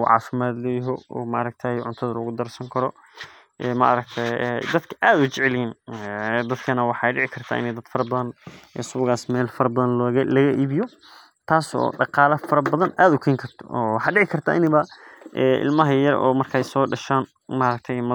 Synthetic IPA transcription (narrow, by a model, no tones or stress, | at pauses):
ʕɑ̰ːfɪmaːd̪lɛjɪɦɔɔ̰ːmɐʔɐɾɐɡ̚t̪ʰɐjʕʊnt̪ʰɐðɐlɐɣʊd̪ɐrsɐŋkʰɐɾɔ | ʔɛːmɐ̰ʔɐɾɐkt̪ʰɛd̪ɐd̪kʰɐ̥ʔaːd̪ʊt͡ʃɛʕɛljinɛd̪ɐd̪kʰɐnɐwɑħɑjɖɪʕɪkʰɐrt̪ʰa̰ːʔɪ̰nɛjd̪ɐd̪fɐɾɐbɐðɐnɛ̰ːsʊβʊɣaːsmɛːlfɐɾɐbɐðɐnlɣɐlɐɣɐʔiːβɪjɔ | t̪ʰaːsɔ̰ːɖɑqɑːlɐfɐɾɐbɐðɐnʔaːd̪ʊkʰɛːŋkʰɐrt̪ʰɔ̥̰ɔwɑħɑːɖɪʕɪkʰɐrt̪ʰa̰ːʔɪnɪβɐʔɛːʔɪ̰lmɐɦɐjɐrɔ̰ːmɐrkʰɐjsɔːɖɐʃaːn | mɐɾɐk̚t̪ʰɛjmɐ